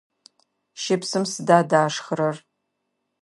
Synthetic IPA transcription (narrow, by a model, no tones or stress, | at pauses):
ʃɪpsɨmsɨdaːdaːʂχɾɐr